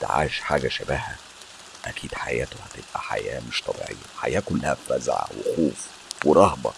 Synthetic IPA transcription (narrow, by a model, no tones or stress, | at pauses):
t̪ʕa̰ːʃħaːɡæʃæbæːhæ | ʔækʰiːd̪ħajæːt̪ohæt̪eb̥ʔæħa̰jæːmeʃt̪ˤʰɑbḭʕḛjːæħa̰jæːkʊlːæhæfæzʕa̰wexuːf | weɾˤɑhbɑ